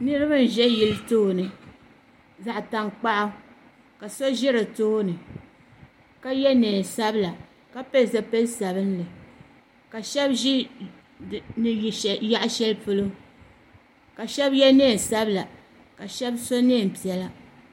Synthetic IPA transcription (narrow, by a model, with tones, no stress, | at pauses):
nɨ˦ɾɨ˦bɨ˦n̩˨ʒɛ˦ji˦˨lɨ˦toː˦˨nɨ˨ | za˨ʔta˨ŋk͡pa˦ʔa˦ | ka˨so˦ʒɪ˦ɾɨ˨toː˦nɨ˨ | ka˦jɛ˦nɛː˨sa˦bla˨ | ka˦pe˦˨za˨pɛ˦lsa˨bɨ˦n˦lɨ˨ | ka˨ʃɛ˦bʒi˦˨ | nɨ˨ja˦ʔʃɛ˦lpɨ˦lo˦ | ka˨ʃɛ˦bjɛ˦nɛː˦˨sa˦bla˨ | ka˨ʃɛ˦bso˦neː˦˨m̩˨pi˨ɛ˨la˦